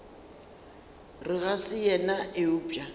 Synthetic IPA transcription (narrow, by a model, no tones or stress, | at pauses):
rɪɣasɪjɛnaʔɪuːpʼja